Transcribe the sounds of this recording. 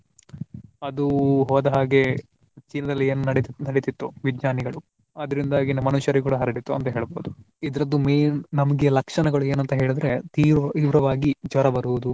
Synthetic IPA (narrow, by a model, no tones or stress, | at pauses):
ɐd̪uɦɔːd̪ɐɦaːɡe̞ | t͡ʃinɐd̪ɐlːieːnunɐɽnɐɽet̪it̪ːuʋid͡ʒɲaːniɡɐɭu | ɐd̪ɐɾind̪aːɡinɐmɐnuʃɐɾikuːɽɐɦɐɾɐɽit̪ːuɐ̰nt̪ɐɦe̞ːɭboːd̪u | id̪ɐɾɐd̪ːumeːnnɐmɐɡejɐlɐkʂɐɳɐɡɐɭue̞ːnɐnt̪ɐɦe̞ːɭid̪ɾe̞t̪iːʋɾɐʋaːɡid͡ʒʋɐɾɐbɐɾuːud̪u